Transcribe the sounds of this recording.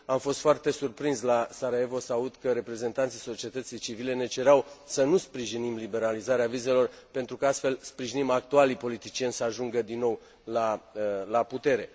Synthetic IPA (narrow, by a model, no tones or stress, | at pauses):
amfo̞st̪foart̪e̞surpɾinslasaɾaevo̞saut̪kəɾe̞pɾe̞ze̞nt̪ant̪sijso̞t͡ʃie̞t̪ət̪sijt͡ʃivile̞ne̞t͡ʃe̞ɾeawsənuspɾiʒinimlibe̞ɾalizaɾeavize̞lo̞rpe̞nt̪ɾukəast̪fe̞lspɾiʒinimak̚t̪ualipo̞lit̪it͡ʃije̞nʲsəaʒuŋɡəd̪inːo̞w | lalaput̪e̞ɾe̞